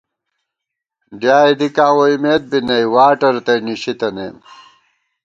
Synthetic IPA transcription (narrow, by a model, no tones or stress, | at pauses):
ɖjaːid̪ikaːwoimeːt̪̚binɐjwaːʈɐɾt̪ɐniɕit̪ɐnḛːm